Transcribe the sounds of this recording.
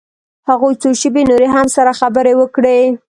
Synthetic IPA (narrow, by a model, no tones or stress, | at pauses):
haɣujt͡soʃəbenoɾeɦamsaɾaxabəɾewəkɽe